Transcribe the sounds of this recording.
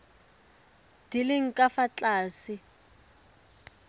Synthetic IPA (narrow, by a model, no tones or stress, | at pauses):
d̥ilɪŋ̩kʼafat͡ɬʼaːsɪ